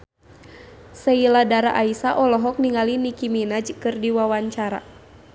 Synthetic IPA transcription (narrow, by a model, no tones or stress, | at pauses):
səiladaɾaʔaisaʔɔlɔɦɔk̚niŋalinikiminad͡ʒkɨrdiwawaɲt͡ʃaɾa̰